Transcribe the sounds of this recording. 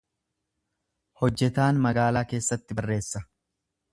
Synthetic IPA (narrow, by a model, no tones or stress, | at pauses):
hɔd͡ʒːɛt̪aːnmɐɡaːlaːke̞ːsːɐt̪ːɪbɐrːe̞ːsːɐ